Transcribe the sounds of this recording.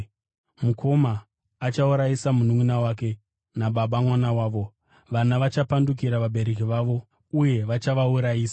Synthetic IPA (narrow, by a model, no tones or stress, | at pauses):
mukʰo̞maː | t͡ʃauɾaisamunumunawaːk̬e̞ | naɓaɓamwanawaːʋo̞ | ʋanaʋat͡ʃapanduk̬iɾaʋaɓʱe̞ɾe̞k̬iʋaʋo̞ | uje̞ʋat͡ʃaʋauɾajiːsa